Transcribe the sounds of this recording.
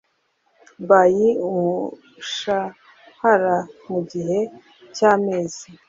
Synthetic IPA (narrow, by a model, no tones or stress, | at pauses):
bajiumu | ʃa | haɾamuɟiɦe̞ | caːmeːz̥i